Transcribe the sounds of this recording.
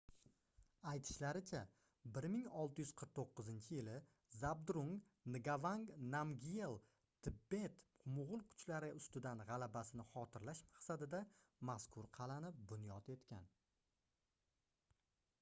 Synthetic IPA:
ajt̪ʰɪ̥ʃlaɾɪt͡ʃʰa | bɪɾmɪŋɒlˠt̪ɪjʏz̥qʰəɾq̚t̪ʰoqːɨzɪnt͡ʃʰɪjɪlɪ | zabd̪ɾuŋ | nɪɡavaŋɡnamɡʲielˠ | t̪ʰɪbːe̞t̪mʊʁʊlˠkʰʊ̥t͡ʃʰlaɾɪʊst̪ɪd̪anʁɑlabasɪnɪχɒt̪ʰɪɾlaʃmḁqsad̪ɪd̪amaskʰʊɾqʰɑlanɪp̚bʊnjɒt̪e̞t̪kʲa̰n

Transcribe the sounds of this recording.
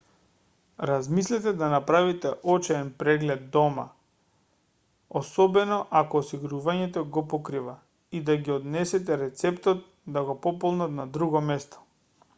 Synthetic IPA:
ɾazmislɛt̪ɛd̪anapɾavit̪ɛʔɔt͡ʃɛːnpɾɛɡlɛd̪ːɔma̰ | osɔbɛnɔʔakɔːsiɡɾuvaɲɛt̪ɔɡɔpɔkɾiva | id̪aɡiɔd̪nɛsɛt̪ɛɾɛt̪sɛpt̪ɔt̪̚ | d̪aɡɔpɔpɔlˠnat̪nad̪ɾuɡɔmɛst̪ɔ̥

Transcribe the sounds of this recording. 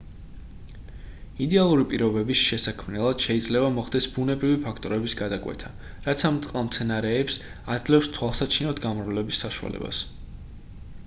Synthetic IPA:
id̪ɛalˠuɾipʼiɾɔbɛbisʃɛsakʰmnɛlˠad̪̥ʃɛid̪zlɛbamɔχd̪ɛsbunɛbɾivipʰakʰt̪ʼɔɾɛbisɡad̪akʼwɛ̰t̪ʰa | ɾat̪sʰamt̪sʼqʼlamt̪sʰɛnaɾɛːps | ad̪zlɛfst̪ʰwalˠsat͡ʃʰinɔd̪ʰɡamɾlɛbisːaʃua̰lɛ̰ba̰s

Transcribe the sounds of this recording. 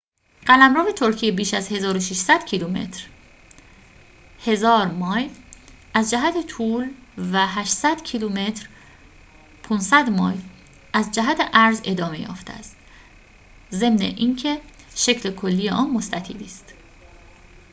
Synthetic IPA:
ɢ̥ælæmɾɒːve̞t̪ʰoɾcʰijebiːʃæzhe̞zɒːɾoʃiʃsæd̪̥cʰilume̞̰t̪ʰɾ | he̞zɒːɾmɒːj | æzd͡ʒæɦæt̪ʰe̞t̪ʰuːlvæɦæʃsæd̪̥cʰilume̞t̪ɾ | pʰunsæd̪mɒ̰ːj | ʔæzd͡ʒæɦæt̪ʰeʔæɾze̞d̪ɒːme̞jɒ̰ːft̪ʰæ̰st̪ | ze̞mnḛʔiːncʰe̞ | ʃe̞cʰlekʰo̞lːijeʔɒːnmo̞st̪æt̪ʰḭːliːst̪

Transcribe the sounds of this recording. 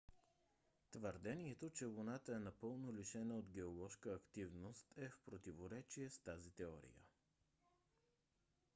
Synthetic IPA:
t̪vəɾd̪ɛniɛt̪ot͡ʃɛvonat̪əɛnɐpɤlˠnoliʃɛnəod̪ɡɛolˠɔʃkəːkt̪ivnost̪ʰɛfpɾot̪ivoɾɛt͡ʃiɛst̪azit̪ɛɔɾḭjə̰

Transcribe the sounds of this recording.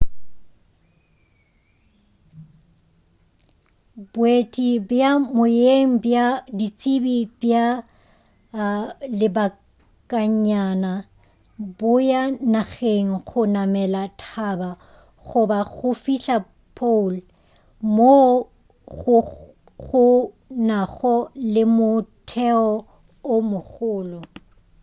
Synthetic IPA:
bwetʼibjamʊjeŋ̩bjadit͡sʼibib̥ja | lɪba | kʼaɲana | bʊjanaɣeŋ̩ɣʊnamɛlatʰaːba | ɣʊbaɣʊfiɬa | pʰol | mo | ɣʊ | ɣʊ | naɣɔlɪmʊtʰɛɔ | ʊmʊɣʊːlʊ

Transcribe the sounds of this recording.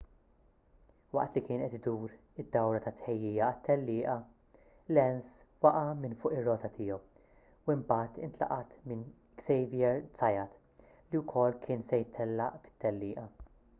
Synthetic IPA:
wɐ̰ʔt̪likɪːnʔɛt̪ɪd̪uːɾ | ɪd̪ːɐwɾɐt̪ɐt̪ħɛjːɪːjɐɐt̪ːɛlːɪːʔɐ | lɛnswɐʔɐmɪnfʊːʔɪrːɔːt̪ɐt̪ʰɪːjɔw | wɪmbɐːt̪ɪnt̪lɐ̰ʔɐt̪mɪn | ksɛjvjɛɾt͡sɐjɐt̪ | liwkʰɔlːkʰɪːnsɛjɪt̪ʰːɛlːɐʔfɪ̥t̪ːɛlːɪːʔɐ

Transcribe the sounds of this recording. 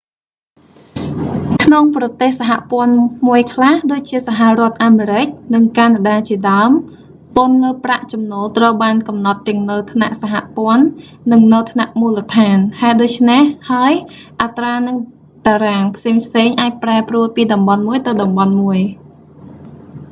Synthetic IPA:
kʰnoŋprɑt̪eːhsaɦa̰ʔpŏənmuəjkʰlahɗoːc̚t͡ɕiəsaɦarŏət̪̚ʔaːmeːɾɨc̚nɨŋkanaɗaːt͡ɕiəɗaəm | ponləːpraʔt͡ɕɑmnoːlt̪rəwɓaːnkɑmnɑt̪ːɛ̆əŋnɨwt̪ʰna̰ʔsaɦaʔpŏənː | ɨŋnɨwt̪ʰnaʔmuːlət̪ʰaːnhaɛɗoːc̚t͡ɕʰnehhaəj | ʔat̪raːnɨŋ | t̪aːɾaːŋpʰseːŋpʰseːŋʔaːc̚praɛpruəlpiːɗɑmɓɑnmuəjt̪ɨwɗɑmɓɑnmuəj

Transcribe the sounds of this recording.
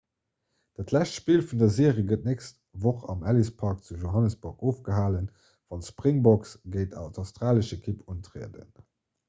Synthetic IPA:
d̥atʰlæɕtʃpiːlfundɐzeːəʁiːɡət̚nekst | voχɑ̰mælispʰɑʁk̚t͡suʒoɦɑnəsb̥uʁkoːfɡ̥əɦaːlən | v̥ɑnʃpʁiŋbɔksɡ̥əɪtɑ̰ʊtɑʊstʁaːləʃekʰipʰuntʁḛːədə̰n

